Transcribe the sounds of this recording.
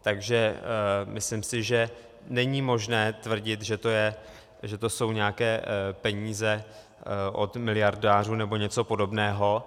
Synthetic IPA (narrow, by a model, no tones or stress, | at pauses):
t̪aɡʒɛmɪslɪmsɪʒɛ | nɛɲimo̞ʒnɛːt̪vr̩ɟɪt̪ʒɛt̪o̞jɛ | ʒɛt̪oso̞wɲɛakɛːpɛɲiːzɛ | ʔo̰t̪mɪlɪjaɾdaːr̝uːnɛbo̞ɲɛt͡so̞po̞do̞bnɛːɦo̞